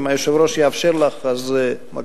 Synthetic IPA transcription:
majoʃevɾoʃjəafʃeɾlaχazema̰

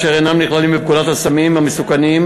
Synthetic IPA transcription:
ʃeʁenamniχlalimep̚kulat̪hasamimamesukanim

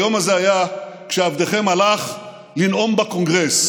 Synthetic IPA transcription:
jo̞mazeajakʃeavd̪eχe̞malaχ | linʔo̞mbako̞ŋɡʁes

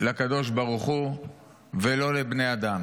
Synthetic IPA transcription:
lakad̪o̞ʃ̬baʁuχu | velo̞lebne̞jad̪am

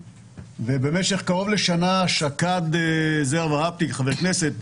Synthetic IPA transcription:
vebe̞meʃe̞χkaʁo̞vleʃanaʃakad̪ezevaʁap̚t̪ikχavekneset̪̚

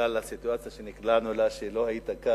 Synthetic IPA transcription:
alasit̪uat͡sjaʃeniklanulaʃelo̞hajit̪aka

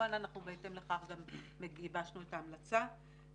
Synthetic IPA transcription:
ananaχnubeete̞mle̞χaχɡamːe̞ɡibaʃnuetaːmlat͡sa

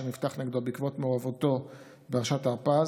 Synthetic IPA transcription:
enift̪aχneɡd̪obikvo̞tmeoʁavoto̞ | beaʁʃataʁpaz

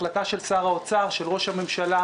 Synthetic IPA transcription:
lataʃe̞lsaːʁaot͡saʁʃe̞lʁo̞ʃhame̞mʃala

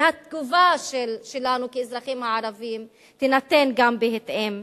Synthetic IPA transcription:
hat̪ɡuvaʃelʃelanukeezʁaχimhaʕaɾavim | t̪enat̪enɡambeɦet̪ʔem

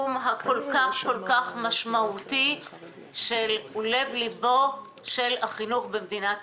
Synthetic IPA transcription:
umɦako̞lkaχko̞lkaχmaʃmauti | ʃelule̞vlibo | ʃelaχinuχbemd̪inat

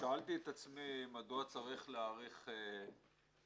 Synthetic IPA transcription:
ʃaalt̪iet̪at͡smimad̪oat͡saʁiχleaʁiχe

